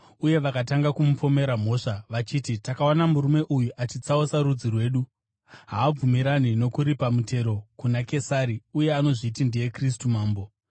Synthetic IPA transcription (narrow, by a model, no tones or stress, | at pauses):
uje̞ʋakataŋɡakumupo̞me̞ɾam̤o̞ʂaʋat͡ʃiːtitakaonamuɾume̞ʔujuʔat͡ʃit͡saosaɾud͡zirwe̞ːɗu | ɦaːb͡vumiɾanino̞kuɾipamute̞ɾo̞kunake̞saɾiuje̞ano̞ʐiːtindeje̞kris̬tumaːmbo̞